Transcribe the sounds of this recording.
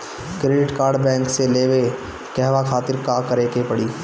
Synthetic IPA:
kɾeːɖɪʈkaːɾɖbɛ̃ːŋkseleːʋe | kɛɦʋakʰaːt̪ɪɾkakɐɾeːkepɐɽiː

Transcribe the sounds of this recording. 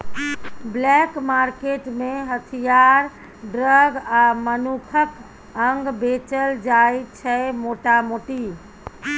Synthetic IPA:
blɛkmaɾkeʈmeɦət̪ʰijaɾ | ɖɾəɡamənukʰək | əŋɡbet͡ʃəld͡ʒajt͡ʃʰɛmoʈamoʈi

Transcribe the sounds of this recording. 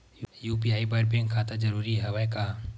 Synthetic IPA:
jjuːpiaːibaʈ̚bẽŋkʰaːt̪ad͡ʒɐɾuːɾiɦɛʋajkaː

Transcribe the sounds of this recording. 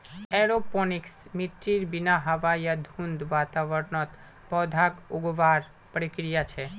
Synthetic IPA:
ɛɾopɔniksmiʈːiɾbinaɦəʋajad̪ʱũnd̪ʋat̪aʋəɾnɔt̪ | pɔd̪ʱakuɡʋaɾ | pəɾikɾijat͡ʃʰe

